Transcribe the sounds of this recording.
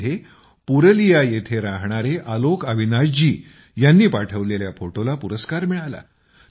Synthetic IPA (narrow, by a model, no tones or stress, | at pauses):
e | puɾəlijajet̪ʰeɾaɦɳ̃aɾeʔalokəʋ̤inad͡ʑd͡ʑiː | janːiːpaʈʰəʋleljafoʈolapuɾəskaɾmiɭala̰